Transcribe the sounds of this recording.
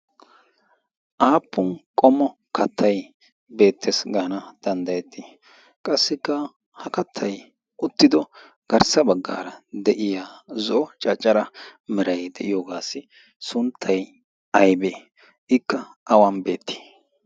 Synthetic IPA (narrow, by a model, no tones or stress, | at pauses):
ʔaːpːʊnkʼɔmɔ | kʰɐt̪ʰːɐj | be̞ːt̪ʰːesɡɐnɐd̪̥ɐnd̪ɐjɛt̪ːi | kʼɐsːɪkːɐ | hɐkɐt̪ʰːɐj | ʊt̪ːɪd̪ɔ | ɡ̥ɐɾsɐbɐɡːa̰ːɾɐd̪ɛʔɪjaːzɔʔɔt͡ʃʼɐt͡ʃʼːɐɾɐmɛɾɐjd̪ɛʔɪjoːɡaːsɪ | sʊnt̪ʰːɐj | ɐjbe | ʔɪkːɐ | ʔɐwɐnbe̞ːt̪ːi̥ː